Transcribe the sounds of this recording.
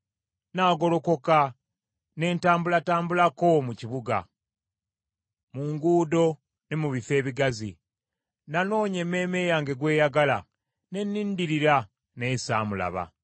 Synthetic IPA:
naːɡo̞lo̞ko̞ka | ne̞ːntaːmbulataːmbulako̞muciβuɡa̰ | muŋɡuːdo̞ | ne̞muβife̞ːβiɡazḭ | nano̞ːɲe̞me̞ːme̞ːjaŋɡe̞ɡwe̞ːjaɡala | ne̞nːiːndiɾiɾa | ne̞sa̰ːmula̰βa̰

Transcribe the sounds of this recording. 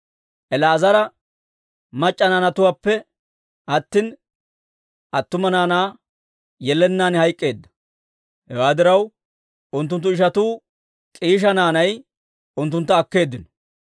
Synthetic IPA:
ʔɛlaːzɐɾɐ | mɐt͡ʃʼːɐnaːnɐt̪ʊwaːpːɛ | ʔɐt̪ːɪn | ʔɐt̪ːʊmɐnaːnaː | jɛlːɛnːaːnhɐjkʼːe̞ːd̪ːɐ̥ | hɛwaːd̪ɪɾɐw | ʔʊnt̪̬ːʊnt̪̬ːʊɪʃɐt̪uː | kʼiːʃ̬ɐnaːnɐj | ʊnt̪ːʊnt̪ːɐːkːe̞ːd̪ːɪnɔ̥

